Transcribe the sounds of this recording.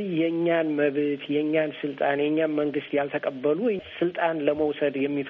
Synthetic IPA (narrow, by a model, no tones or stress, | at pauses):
jɛɨɲːanməβt̪ʰjɛɲːansɨlt̪ʼanjɛɲːanməŋɡɨst̪jalt̪ʰəkʼəbːəlusɨlt̪ʼanləməwsəd̪jɛmːif